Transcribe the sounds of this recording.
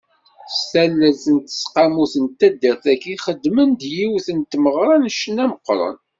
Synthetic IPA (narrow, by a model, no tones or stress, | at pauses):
stælːæzənt̪ə̥sqamuθənt̪æd̪ːiɾθækiχəd̪ːmənd̪jiwθənt̪məʁɾˤɑnʃənæməqːɾˤə̰n